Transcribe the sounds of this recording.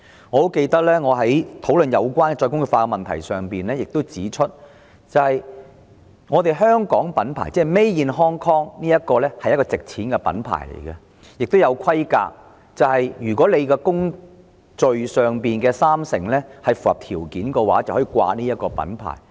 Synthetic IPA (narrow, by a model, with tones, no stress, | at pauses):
ŋɔː˨˧t̪o˥wke˧jt̪ɐ˥k̚lɛː˥ŋɔː˨˧ɦɐ˨˥jt̪ʰo˨˥wlɵ˨njɐ˨˧wkʷaː˥nkɛ˧t͡ʃɔː˧jkʊ˥ŋɵ˨˩faː˧kɛ˧mɐ˨nt̪ʰɐ̰˨˩jsœː˨ŋpiː˨nlɛː˥jɪ˨k̚t̪o˥wt͡siː˨˥t͡ʃʰɵ˥t̚ | t͡sɐ˨whɐ˨j | ŋɔː˨˧t̪e˨jɦœː˥ŋkɔː˨˥ŋpɐ˨˥npʰa̰ː˨˩jt͡sɛː˥˩jme˥jjiː˨˧nɦɔː˥ŋkʰɔː˥ŋniː˥jɐ˥t̚kɔː˧lɛː˥hɐ˨jːɐ˥tkɔ˧t͡sɪ˨k̚t͡sʰiː˨˥nkɛ˧pɐ̰˨˥npʰa̰ː˨˩jlḛ˨˩jɡɐ˧ | jɪ˨k̚t̪o˥wjɐ˨˧wkʰɐ˥jka̰ː˧k̚ | t͡sɐ˨whɐ˨jjyː˨˩kʷɔː˨˥le˨˧jkɛː˧kʊ˥ŋ | t͡sɵ˨ɥsœː˨ŋpiː˨nkɛː˧saː˥msɪ̰˨˩ŋlɛː˥hɐ˨jfu˨hɐ˨p̚t̪ʰiː˨˩wkiː˨˥nkɔː˧waː˨˥t͡sɐ˨whɔː˨˥iː˨˧kwa̰ː˧niː˥jɐ˥t̚kɔː˧pɐ̰˨˥npʰa̰ː˨˩j